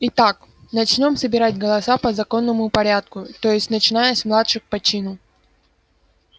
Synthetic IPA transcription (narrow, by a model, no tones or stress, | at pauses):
ɪt̪ak | nɐt͡ɕnʲo̞msəbʲɪɾatʲɡəlˠɐsapəzɐko̞nːəmʊpɐɾʲat̪̚kʊt̪o̞jɪsʲtʲnət͡ɕɪnajəsʲmlˠat̪ʂɨxpɐt͡ɕinʊ